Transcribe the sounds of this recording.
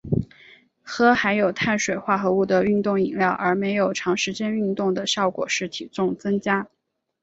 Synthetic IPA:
xɤ˥xa˧˥ɪjo˨˩ʊt̪ʰa˥˩nʂwe˨˩ɪxwa˥˩xɤ˧˥u˥˩d̪ə˩y˥˧nt̪ʊ˥˩ŋi˨˩ŋljɑ˥˩ʊʔə˞˧˥me˧˥ɪjo˨˩ʊʈ͡ʂʰɑ˧˥ŋʂɻ̩˧˥t͡ɕjɛ˥ny˥˧nt̪ʊ˥˩ŋd̪ə˩ɕjɑ˥˩ʊkwɔ̰˨˩ʂɻ̩˥˩t̪ʰḭ˨˩t͡sʊ˥˩ŋt͡sɤ˥ŋt͡ɕja˥

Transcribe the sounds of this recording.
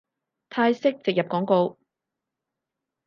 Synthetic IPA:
t̪ʰaː˧jsɪ˥k̚t͡sɪ˨k̚jɐ˨p̚kɔː˨˥ŋko˧w

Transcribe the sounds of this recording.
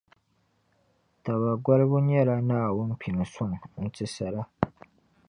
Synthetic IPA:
ta˨βa˨ɡʷa˦lbʊ˦ɲɛ˦ɾa˦naː˦˨wʊ˦n̩˦pʰi˨ni˨sʊ˦˨ŋ˨n̩˦tɪ˦sa˨ɾa˦

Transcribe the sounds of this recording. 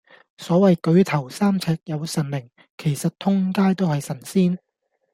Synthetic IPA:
sɔː˨˥wɐ˨jkɵ˨˧ɥt̪ʰɐ˨˩wsaː˥mt͡sʰɛː˧k̚jɐ˨˧wsɐ˨˩nmɪ˨˩ŋ | kʰe˨˩jsɐ˨t̚t̪ʰʊ˥ŋkaː˥jt̪o˥whɐ˨jsɐ˨˩nsiː˥n

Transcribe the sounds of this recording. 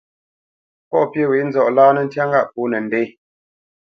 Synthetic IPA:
pɔ˦˨pje˦˨wi˨˦n̩˦zɔ˨ʔlaː˦nə˦˨n̩˦tja˦ŋɡa˦ʔpu˨˦nɛ˨n̩˨de˦j

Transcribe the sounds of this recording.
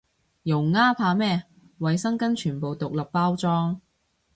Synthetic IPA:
jʊ˨˩wŋaː˥pʰaː˧mɛː˥ | wɐ˨jsɐ˥ŋkɐ˥nt͡ʃʰyː˨˩npo˨wt̪ʊ˨k̚lɐ˨k̚paː˥wt͡sɔː˥ŋ

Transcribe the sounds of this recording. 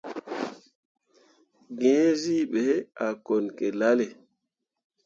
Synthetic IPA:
ɡɛ̃˦zi˦ɓe˨˦a˨ko˨nke˨la˦le˨

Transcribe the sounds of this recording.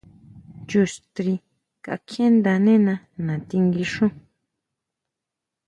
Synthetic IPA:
t͡ʃu˧˨st̪ɾi˧ | ka̰˧kʰẽ˦nd̪a˧nẽ˦nã˧ | nã˨t̪i˧ŋɡi˧ʂũ˦

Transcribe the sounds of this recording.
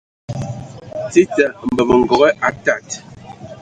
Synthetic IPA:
ti˦ta˨m̩˨bə˨mə˨ŋ˨ɡɔ˨ɣɛ˦ʔa˨ta˦˨t

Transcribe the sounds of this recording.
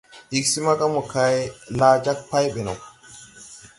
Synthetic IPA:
ʔɪ˨ksi˦mɐ˦kʼɐ˦mʊ˨ka˦jlaː˨d͡ʒa˦k̚pa˦jɓɛ˨no̰˨

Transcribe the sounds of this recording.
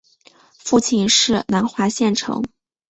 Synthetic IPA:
fu˥˧t͡ɕʰi˥˧nʂɻ̩˥˩na˧˥nxwa˧˥ɕjɛ˥˩nʈ͡ʂʰɤ̰˧˥ŋ

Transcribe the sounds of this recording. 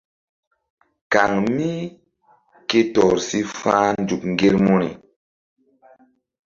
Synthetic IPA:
ka˨ŋmi˦ | ke˦tɔ˨ɾsi˦fãː˦nd͡ʒu˨kŋ˨ɡe˦ɾmu˦nḭ˨

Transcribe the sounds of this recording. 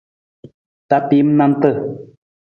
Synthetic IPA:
ta˨˦pi˨˦m̩˦na˦n˦tə˦˨

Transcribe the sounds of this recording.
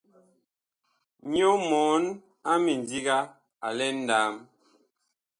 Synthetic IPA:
ɲo˦mɔ˨˦n | a˦mi˨n˨di˦ɡa˦ | a˨lɛ˦n̩˦da˨˦m

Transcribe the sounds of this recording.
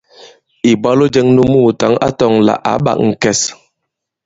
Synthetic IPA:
i˨ba˦lo˦d͡ʒɛ˦ŋnu˦muː˦˨ta˨˦ŋa̰˦tɔ˦˨ŋla̰˨ʔa̰˨˦ɓa̰˨kŋ̩˨kɛ˨s

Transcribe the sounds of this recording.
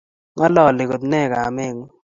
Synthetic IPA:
ŋa˦lɔ˦˨lɪ˨ko˨d̪nɛ˦˨ɡa˨me˦˨ŋ˦

